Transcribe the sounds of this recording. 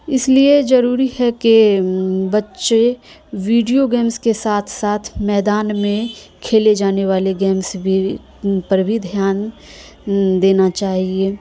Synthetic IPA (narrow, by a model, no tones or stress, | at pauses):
ɪsliezɐɾuːɾihɛke | bɐtːʃe | ʋiːɖijoɡɛːmskesaːt̪ʰsaːt̪ʰmɛːd̪aːnmẽkʰeːled͡ʒaːneʋaːleɡeːmsbʱi | pɐɾbʱid̪ʱjaːn | d̪eːnat͡ʃaːɦieː